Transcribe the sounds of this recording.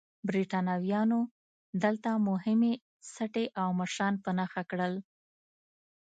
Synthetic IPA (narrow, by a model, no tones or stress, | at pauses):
bɾiʈɑnɑwjɑno | d̪əlt̪amʊɦɪme | saʈeʔawməʃɾɑnpənɑxakɽəl